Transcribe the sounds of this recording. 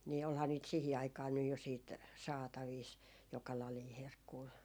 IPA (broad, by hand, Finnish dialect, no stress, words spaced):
niː olhɑː niːt siˑhi ɑikɑː nyj jo siːt sɑːtɑʋiːs jokɑ lɑliː herkːuː